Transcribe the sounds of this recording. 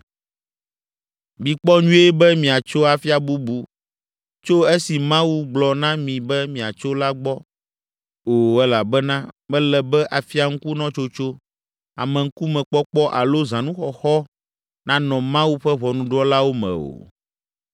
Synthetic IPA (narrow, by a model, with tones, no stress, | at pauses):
mĩ˨k͡pɔ˦ɲũ˦e˦bɛ˦mĩ˨a˨t͡ʃo˦a˨fi˦a˨bu˦bu˨ | t͡ʃo˦e˦si˨mã˦wu˦ɡ͡blɔ˨nã˦mĩ˨bɛ˦mĩ˨a˨t͡ʃo˦la˦ɡ͡bɔ˦ | o˨ɛ˦la˨bɛ˦nã˦mɛ̃˦lɛ˨bɛ˦ʔa˨fi˦a˨ŋ̩˦ku˦nɔ̃˦t͡ʃo˦t͡ʃo˦ | a̰˨mɛ̃˨ŋ̩˦ku˦mɛ̃˨k͡pɔ˦k͡pɔ˦ʔa˨lo˦zã˨nũ˦xɔ˨xɔ˦ | nã˦nɔ̃˨mã˦wu˦ɸɛ˦βɔ˨nũ˦ɖɔ˦la˦wo˦mɛ̰̃˨o̰˨